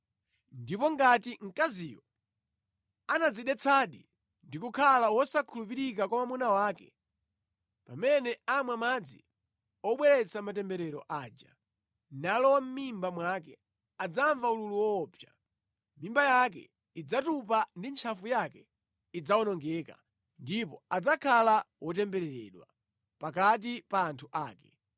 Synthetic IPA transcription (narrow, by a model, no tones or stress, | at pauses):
ndipɔŋɡatiŋ̩kaziːjɔ | anad͡ziɗɛt͡sʰaɗi | ndikukʰalawɔsakʰulup̬iɾikakwamamunawaːkɛ | pamɛnɛamwamad͡zḭ | ɔɓwɛɾɛt͡sʰamatɛmbɛɾɛɾɔʔaːd͡ʒa̰ | nalɔwam̩mimbamwakɛ | ad͡zaɱvaululuwɔːpʰja | mimbajak̬ɛ̰ | id͡zatupandint͡ʃʰafujakɛ | id͡zawɔnɔŋɡɛka̰ | ndipɔ̰ad͡zakʰalawɔtɛmbɛɾɛɾɛ̰ɗwa̰ | pakat̬ipaːntʰuʔaːkɛ̥